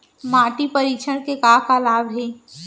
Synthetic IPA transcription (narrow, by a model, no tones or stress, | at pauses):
maːʈipəɾiːt͡ʃʰəɽkekaːkalaːbɦeː